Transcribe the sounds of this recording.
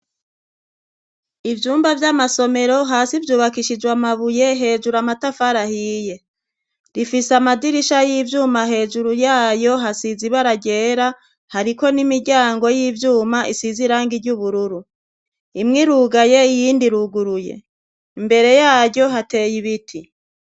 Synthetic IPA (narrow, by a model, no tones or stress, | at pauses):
ivjuːmbavjamaso̞me̞ɾo̞ɦaːsivjuːβakiʃid͡ʒwamaβuje̞ɦe̞ːd͡ʒuɾamatafaɾahiːje̞ | ɾifisamadiɾiʃajiːvjuːmaɦe̞ːd͡ʒuɾujaːjo̞ɦasiziβaɾaɟe̞ːɾa | haɾiko̞nimiɾɟaːŋɡo̞jiːvjuːmaisiziɾaːŋɡiɾɟuβuɾuɾu | imŋiɾuɡaje̞ijiːndiɾuɡuɾuje̞̰ | imbe̞ɾe̞jaːɾɟo̞ɦate̞ːjiβitʰi